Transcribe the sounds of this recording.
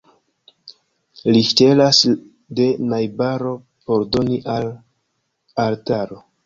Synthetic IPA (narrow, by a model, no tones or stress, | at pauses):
liʃte̞las | de̞najbaɾo̞ | po̞ɾdo̞niʔal | aɾtaɾo̞